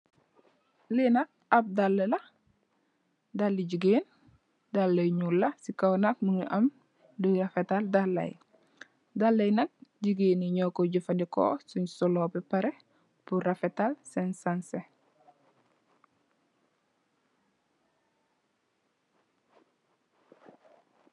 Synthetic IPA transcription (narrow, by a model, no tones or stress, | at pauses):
linak̚ap̚dalːelɐ | dalːiɟuɡeːn | dalːɐjɲulːɐsikawnak̚muŋiʔɐm | duɾafetaldalːɐ̰j | dalːɐjnɐk̚ɟuɡeːniɲɔːkoɟufɐndiko̰ːsuɲsɔlɔːbɛpaɾe | purafetalsɛnsanse